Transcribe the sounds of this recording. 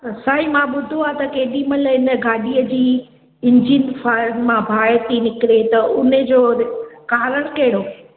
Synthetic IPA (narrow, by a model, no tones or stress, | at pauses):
saːɦimãɓʊd̪ʱoaːt̪ɐkeːɗimɐlɦɪnəɡaːɗiːəd͡ʑiː | ɪ̃ɲd͡ʑinfaɾnmãbʱaːt̪inɪkɾet̪ɐʊned͡ʑoːkaːɾəɽ̃kɐɦɪɽo